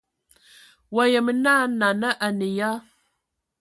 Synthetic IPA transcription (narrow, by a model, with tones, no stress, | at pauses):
wa˨jə˨mə˨na˦na˨nə˦ʔa˨nə˨ja˦